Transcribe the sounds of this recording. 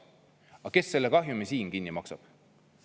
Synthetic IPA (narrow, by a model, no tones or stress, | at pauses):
ɑke̞sːe̞lːekɑɦjumesiːnkinːimɑksɑb̥